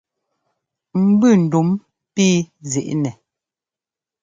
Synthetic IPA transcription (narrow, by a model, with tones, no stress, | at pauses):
m̩˦bʉ˦˨n̩˨du˨˦m | piː˦zi˨ʔnɛ˨